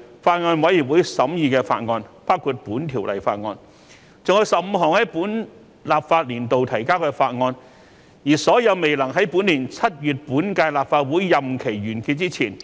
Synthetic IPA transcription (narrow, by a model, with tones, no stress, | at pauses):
faː˧t̚ŋɔː˧nwɐ˨˥ji˨˩p̚wu˨˥jsɐ˨˥mjiː˨˧kɛː˧fa̰ː˧t̚ŋɔː˧npaː˥wkʰuː˨˧t̚puː˨˥nt̪ʰiː˨˩wlɐ̰˨˩jfa̰ː˧t̚ŋɔː˧n | t͡sʊ˨˧ŋhɵ˧jsɐ˨p̚m̩˧ɦɔː˨˩ŋhɐ˨˥jpuː˨˥n | laː˨p̚faː˧t̚liː˨˩nt̪o˨wt̪ʰɐ˨˩jkaː˥wkɛː˧faː˧t̚ŋɔː˧n | jiː˨˩sɔː˨˥jɐ˨˧wme˨jlɐ˨˩ŋɦɐ˨˥jpuː˨˥nliː˨˩nt͡sʰɐ˥t̚jyː˨t̚puː˨˥nkaː˧jlaː˨p̚faː˧t̚wuː˨˥jːɐ˨mkʰe˨˩jɥyː˨˩nkiː˧t̚t͡siː˥t͡sʰiː˨˩n